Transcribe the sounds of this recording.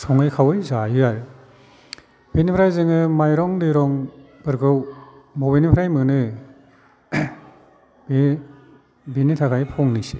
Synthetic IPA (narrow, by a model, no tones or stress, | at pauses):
sʰɔŋɯjkʰawɯjzajɯaɾ | benipʰɾajzɯŋɯmajɾɔŋdɯjɾɔŋ | b̥ɯɾɡɯw | mɔwbenipʰɾajmɯnɯ | be | binitʰakajpʰɔŋnɯjse̥